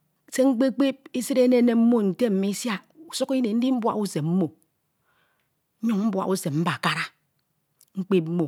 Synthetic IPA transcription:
se˦ŋ͡m̩˦k͡pe˦k͡pe˦p̚i˦si˦ɾe˦ne˦ne˨m̩˦mo˦n̩˨te˦m̩˨me˦sja˦ | u˨su˦ki˦ne˨n̩˦di˦m̩˦bwa̰˦˨u˦se˨mm̩˦mo˨˦ | ɲu˦ŋm̩˦bwa̰˨ʔu˦se˨m̚m̩˦ba˨ka˦ɾa˦ | ŋ͡m̩˦k͡pe˦p̚m̩˦mo˨

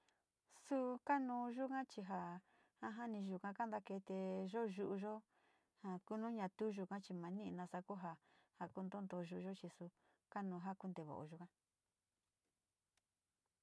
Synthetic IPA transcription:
su˦ka˦nũ˧ʒu˦kã˦t͡ʃi˧ɦa˧ | ha˦ɦa˦nĩ˧ʒu˧kã˧ka˦nd̪a˧ke˧t̪e˧ʒo˦ʒu˧ʔu˧ʒo˦ | ha˨ku˦nũ˦ɲã˧t̪u˦ʒu˧kã˦t͡ʃi˧mã˨˦nĩ˦ʔnã˧sa˧ku˦ɦa˧ha˨ku˦nd̪o˦nd̪o˧ʒu˧ʒo˦t͡ʃi˧su˧ | ka˦nũː˧ɦa˦ku˦nd̪e˧βo̰˨o̰˧ʒu˧kã˦

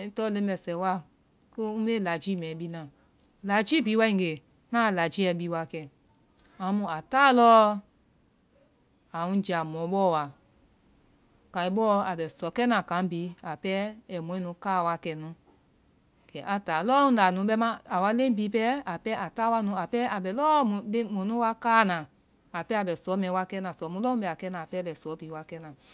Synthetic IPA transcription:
tɔ˦lẽ˧˦˧ɓɛ˧˨sɛ˨˦wa˦˨ | ko˦ũ˦ɓe˦la˨d͡ʒiː˦mɛ̃ː˨˦ɓi˦nã˨ | la˨d͡ʒi˦bi˨˦wa˧˦ĩ˧˨ɡe˨ | nãː˦˨la˨d͡ʒi˦ɛ˧˨ɓiː˧˦wa˧˨kɛ˧˨ | ã˨˦mũ˧˦a˨taː˦lɔː˦ | a˨ŋũ˦d͡ʒa˨mɔ̃˨˦ɓɔː˦˨wa˨ | ka˨i˨˦ɓɔː˦a˨ɓɛ˨sɔ˨˦kɛ˦nã˨kã˨˦biː˨˦a˨pɛ˦ɛ˨mũ˨˦ɛ̃˦nũ˨˦kaː˦˨wa˧˦kɛ˧nũ˨˦ | kɛ˨˦ʔa˨taː˨lɔ˦ũ˨˦la˨nũ˨˦ɓɛ˧˦mã˦a˨wa˧˦lẽ˦bi˨˦pɛ˦a˨pɛ˦ʔa˨taː˦wa˧˦nũ˨˦a˨pɛ˦a˨ɓɛ˨lɔː˦mũ˨le˦mũ˨nũ˦wa˦kaː˦˨nã˨ | a˨pɛ˦a˨ɓɛ˨sɔː˨˦mɛ̃˨˦wa˧kɛ˦nã˨sɔ˨˦mũ˦lɔ˦ũ˦ɓɛ˧˨a˨kɛ˦nãː˨pɛː˦ɓɛ˨sɔ˨˦pi˨˦wa˧kɛ˦nãː˨

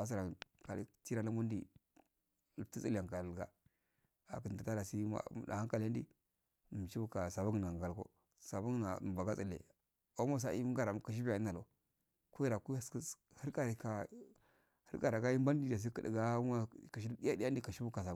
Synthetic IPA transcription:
a˨˦s̬i˦˨ɾa˨ka˨lḭ˦ti˦ɾa˦la˦mu˦n˦di˨ | lti˦t͡si˦la˨ŋka˨ɡa̰˨ | a̰˨kə˨n˨da˨ta˦da˨si˦ma̰˦˨da̰˨ha˦ŋ˦ka˨la˦ndi˦˨ | m˨t͡ʃi˦bu˦ka˨sa˨ba˦ŋ˨na˨ɡa˨lko̰˦ | sa˨ba˦ŋ˦na˨ba˨ɡa˦t͡sə˨lḛ˨ | o˦mo˦s̬a̰˦ḭ˦ŋɡa˨ɾa˨m˨ka˨ʃ̬i˦ba˨i˦na˨lo˨ | ku˦ji˦ɾa˨ku˦skə˦ | hə˦ka˦ɾi˨ka˨ | hə˦ka˨ɾa˨ɡa˦ji˦mba˦n˦di˦˨da˨s̬i˦kə˨da̰˨ɡa˦a˦˨ka˨ʃ̬i˦di˦ja˦di˦ja˦n˦di˦˨ka˨ʃi˦bu˦ka˨s̬a˨˦

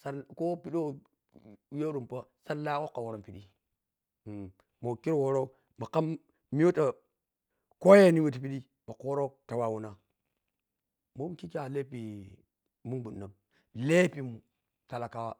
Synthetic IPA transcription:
sa˦ɾko˦pi˦ɗo˦ | jo˦ɾu˨mpa˦sa˦ɾla˦ko˦kːa˨wo˨ɾo˦mpi˨ɗi˦˨ | mo˨ki˦ɾwo˦ɾo˦ | ma˨ka˦m | mi˦jo˦ta˨ | ko˦je˦ni˦we˦t̬i˨˦pi˦ɗi˦ | ma˨ko˦ɾo˦ta˨wa˨wu˦na˨ | mo˦m˦ki˦ka˨le˦pi˨ | mu˦nbu˨nː˨a˨m | le˦pi˨m˨ | ta˨la˨ka˦wa˦

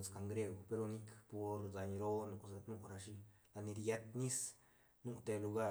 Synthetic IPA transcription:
ska˧ŋɡɾe˧ɡo˨pe˧ɾo˧ni˦kpo˧ɾza˧ɲɾo˦nu˨a˧nu˧ɾa˧ʃi˧ | la˧ni˧ɾja˧˦t̪ni˦s | nu˧t̪e˧lu˧ɡa˦˧

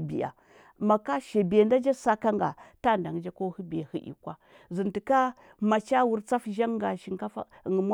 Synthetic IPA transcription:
bḭ˨ja̰˨ | ma˨ka˦ʃe˨be˨n˦da˦d͡ʒa˦sa˦ka˦ŋɡa̰˨ta˦˨nda˨ŋ˨˦d͡ʒa˦ko˦hu˦be˨hi˦ʔḭ˨kʷa˦ | zi˨nti˨ka˦ | ma˨t͡ʃa˦wu˦ɾt͡sa˦fʒa˦ŋɡa˨ʃi˨ŋka˦fa̰˦˨ŋ˨m˦

